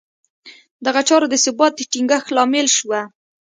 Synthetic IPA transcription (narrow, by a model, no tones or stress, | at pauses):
d̪aɣat͡ʃɑɾod̪əsɪbɑt̪̚ʈiŋɡəxlɑmɪlʃwa